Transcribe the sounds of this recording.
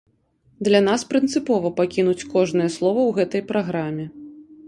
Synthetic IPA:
d̪lʲan̪aspɾɨnt̪sɨpɔvɐpakʲinut͡sʲkɔʐnɨjɛslˠɔvɐwɣɛt̪ɐjpɾaɣɾamʲɛ

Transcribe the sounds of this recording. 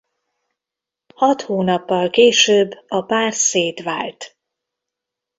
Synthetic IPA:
hɒt̪hoːnɒpːɒlkeːʃøːbːɒpaːrseːt̪ʋaːlt̪

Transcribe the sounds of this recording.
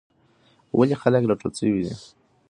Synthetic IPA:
wʔalixaləkɾaʈ͡ʂot͡səwid̪ḭ

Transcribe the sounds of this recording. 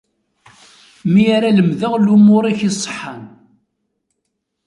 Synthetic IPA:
miaɾaləmðəʁlumʊɾˤiçisˤːħːan

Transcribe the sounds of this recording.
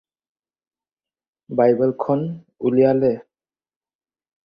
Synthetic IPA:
bajbɛlkʰɔn | ulijalɛ

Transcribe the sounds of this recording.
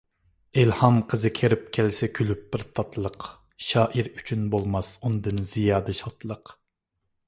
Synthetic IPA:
elhɑmqʰəzɨkʲʰeɾɪp̚kʲʰɛlsɛkʲʰylyp̚b̥ɪɾt̪ʰɑt̪ʰlˠəq | ʃɑːʔiɾyt͡ʃʰynbolˠmɑsund̪ɨnz̥ijɑːd̪ɨʃɑt̪lˠəq

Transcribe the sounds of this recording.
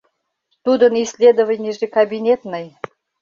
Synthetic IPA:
t̪ud̪ənisʲlʲed̪əvənʲeʐekɐbʲinʲet̪nəj

